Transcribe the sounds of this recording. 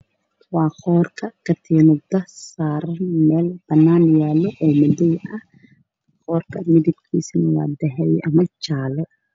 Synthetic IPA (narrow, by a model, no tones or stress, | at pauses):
wɑːχɔːrkʰɐkʰɐt̪ʰɛːnɔd̪ɐhsaːɾɐnmɛːlb̥ɐnːaːnjaːlɔʔɔːmɐdɛjɐh | χɔːrkʰɐmɪd̪ɪb̚kʰiːsɪnɐwɑ̰ːd̪ɛɦɛjɐmɐt͡ʃaːlɛ